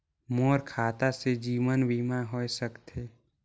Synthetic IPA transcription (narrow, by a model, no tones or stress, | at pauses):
moːɾkʰaːt̪ased͡ʒiːmənbʱiːmaɦoesəkt̪ʰeː